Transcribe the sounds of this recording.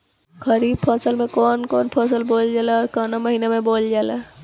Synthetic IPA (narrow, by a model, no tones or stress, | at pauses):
kəɾiːb̚pʰəsəlmẽkɔːnkɔːnpʰəsəlboːld͡ʒaːleɔːɾkaːnaməɦiːnemẽboːld͡ʒaːleː